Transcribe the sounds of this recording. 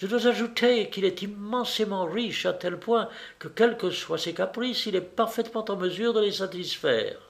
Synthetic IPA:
ʒ̥əd̪wazaʒut̪ʰekilɛt̪imːɑ̃semɑ̃ʁiʃat̪ɛlpwɛ̃kəkʲɛlkəswasekapχisilɛpaʁfɛt̪mɑ̃t̪ɑ̃məzyʁd̪əlesat̪isfɛ̰ːʁ

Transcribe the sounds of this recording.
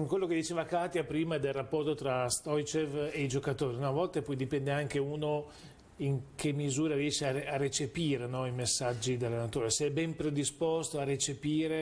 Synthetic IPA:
kwelːoked̪it͡ʃeːvakaːt̪japɾiːmad̪elrapːɔrt̪ot̪ɾast̪ɔjt͡ʃeveid͡ʒokat̪oːɾiunɔavɔlt̪epɔjd̪ipɛnd̪eaŋkeuːno | iŋk̟emːizuːɾaɾiɛːʃeaearːet͡ʃepiːɾenɔimesːad͡ʒːid̪alːenat̪oːɾeseɛbːɛmpɾed̪ispost̪oaret͡ʃepiːɾe

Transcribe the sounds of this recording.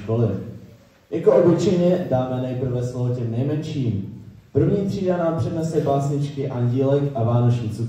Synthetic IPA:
kolɪ | jakoʔobɪt͡ʃɛjɲɛdaːmɛnɛjpr̩vɛsloɦocɛmnɛjmɛnʃiːmpr̩vɲiːt̪r̝̥iːdanaːmpr̝̥ɛnɛsɛbaːsɲɪt͡ʃkɪʔaɲɟiːlɛkʔavaːnot͡ʃɲit͡su

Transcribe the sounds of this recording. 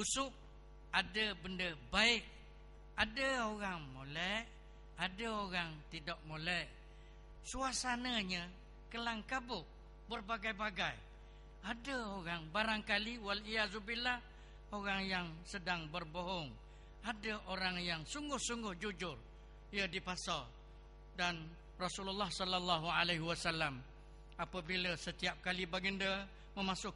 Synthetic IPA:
usʊʔ | adəbəndəbaɪʔ | adəoɣaŋmolɛʔ | adəoɣaŋt̪idɔʔ̚molɛʔ | suasanəɲə | kəlaŋkabʊʔ | bərbaɡajbaɡaj | adəoɣaŋbaɾaŋkaliwalijazubila | oɣaŋjaŋsədaŋbərboɦɔŋ | adəʔoɾaŋjaŋsuŋɡʊhsuŋɡʊhd͡ʒud͡ʒʊr | ijədipasa | dan | rɔsululːahsɔlːalːaɦualeɦiwasalːam | apəbiləsət̪iap̚kalibaɡəndə | məmasʊk

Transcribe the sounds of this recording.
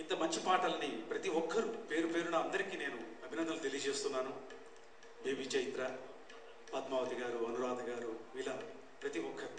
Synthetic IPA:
int̪ɐmɐɲt͡ʃipaːʈɐlɐnipɾɐt̪iʋɔkʰːɐɾupe̞ːɾupe̞ːɾunɐɐnd̪ɐɾikiːne̞ːnuɐbʱinɐnd̪ɐlut̪e̞lijɐd͡ʒe̞ːst̪unːaːnu | beːbiːt͡ʃɐjit̪ɾɐ | pɐt̪maːʋɐt̪iɡaːɾuɐnuɾaːd̪ɐɡaːɾuila | pɾɐt̪iʋɔkʰːɐɾu

